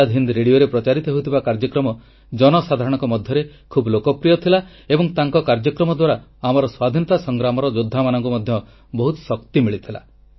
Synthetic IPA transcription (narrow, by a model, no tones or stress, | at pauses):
ad̪ʱɦind̪ɾeɽioɾepɾɔt͡ʃaɾit̪ɔɦeut̪ʰibakaɾd͡ʒɔkɾɔmɔ | d͡ʒɔnɔsad̪ʱaɾɔɽ̃ɔŋkɔmɔd̪ʱjɔɾe | kʰublokɔpɾijɔt̪ʰila | ebɔŋt̪aŋkɔkaɾd͡ʒɔkɾɔmɔd̪waɾaamɔɾɔswad̪ʱinɔt̪asɔŋɡɾamɔɾɔd͡ʒod̪ʱːamanɔŋkumɔd̪ʱjɔ | bɔɦut̪ɔ̥sɔkt̪imiɭit̪ʰila̰